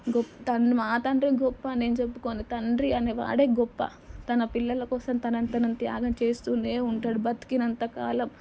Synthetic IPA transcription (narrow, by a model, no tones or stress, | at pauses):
ɡɔpːt̪ɐɳmaːt̪ɐɳɖɾiɡɔpːɐne̞ːnut͡ʃepːukoːnit̪ɐɳɖɾiɐneʋa̰ːɽeːɡɔpːɐ̰ | t̪ɐnɐpilːɐlɐkɔːsɐmt̪ɐnɐnt̪ɐnɐmt̪ja̰ːɡɐmt͡ʃe̞ːst̪uːneːuɳʈaːɽubɐt̪i̥kinɐnt̪ɐkaːlɐm